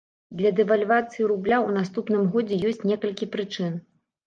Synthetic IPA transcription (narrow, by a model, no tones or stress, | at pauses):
d̪lʲɐd̪ɛvalʲvat̪sɨjiɾublʲaun̪ast̪upnɨmɣɔd͡zʲɛjɔsʲt͡sʲnʲɛkɐlʲkʲipɾɨt͡ʂɨn